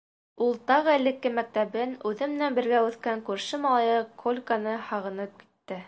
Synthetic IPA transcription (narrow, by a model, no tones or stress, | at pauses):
ulˠt̪ɑʁɤɘlɘ̆kːɘmæk̚t̪æβɘnʉðɘ̆mɘ̆nænbɘ̆ɾɡæʉθkæŋkʉɾʃɘmɑlˠɑjɤkʰolʲkanɤhɑʁɤ̆nɤp̚ki̥t̪ːɘ